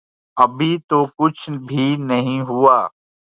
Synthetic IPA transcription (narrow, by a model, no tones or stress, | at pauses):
ɐbʱit̪oːkʊt͡ʃʰbʱiːnɐɦĩɦʊaː